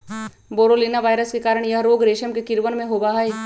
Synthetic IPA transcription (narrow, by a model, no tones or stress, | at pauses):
boːɾoliːnaʋaːjɾəskekaːɾəɽ̃jɐɦɾoːɡɾeːʃəmkekɪɾʋənmẽɦoːbaɦaeː